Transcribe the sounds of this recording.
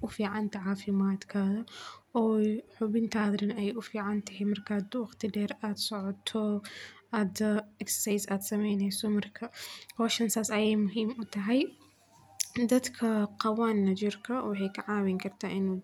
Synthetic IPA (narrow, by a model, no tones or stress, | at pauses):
ʔʊfiːʕɑnt̪ʰɐʕaːfɪmaːd̪kʰɐðɐɔːħʊbɪnt̪ʰaːd̪ɾɐnɛjʔʊfiːʕant̪ʰɐɦɛmɐrkʰad̪wɑxt̪ʰɪɖɛːɾaːd̪sɔʕɔt̪ʰːɔad̪ɐɛksɐjsaːd̪sɐmɛjnɛjsɔmɐrkʰɐwɔːʃɐnsaːsɐjɛːjmʊɦiːmʊt̪ʰɐɦɛj | d̪ɐd̪kʰɐqɐwaːnːɐd͡ʒɪɾkʰɐwɑħɛjkʰɐʕaːwɪŋkʰɐrt̪ʰaːʔɪnu